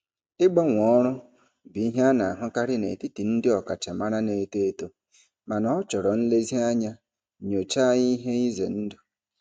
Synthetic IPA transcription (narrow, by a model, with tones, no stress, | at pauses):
ɪ˦ɡ͡bɔ˦ŋʷɔ˦ɾʊ˦ | bi˨i˦ɦa˦na˨a˨ɦʊ˦ka˦ɾɪ˦nḛ˨ti˦ti˨n̩˦dɪ˦ɔ˨ka˨t͡ʃa˨ma˦ɾa˦ne˨te˦to˦ | ma˨nɔ˦ɔ˦t͡ʃɔ˨ɾɔ˨n̩˦le˦zi˦a˦ɲa˦ | ɲo˨t͡ʃa˦ɲi˦ɦe˦i˦zḛ˨n̩˦dʊ˨